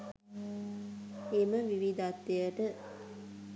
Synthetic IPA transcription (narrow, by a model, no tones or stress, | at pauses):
eməʋiʋid̪at̪ːejəʈə